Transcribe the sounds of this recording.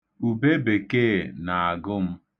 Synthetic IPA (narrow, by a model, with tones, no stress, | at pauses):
u˨be˦be˨ke˦˨na˨a˨ɡʊ˦m̩˦